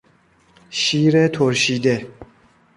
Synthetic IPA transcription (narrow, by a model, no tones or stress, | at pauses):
ʃiːɾet̪ʰoɾɕiːd̪e